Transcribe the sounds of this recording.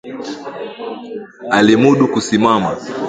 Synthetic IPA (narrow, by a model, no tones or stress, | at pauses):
alimuɗukusimama